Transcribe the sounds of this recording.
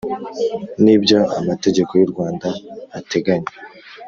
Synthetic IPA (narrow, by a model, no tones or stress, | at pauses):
nibɟoa̰mate̞ɟe̞kojuɾɡwaːndaːte̞ɡaɲe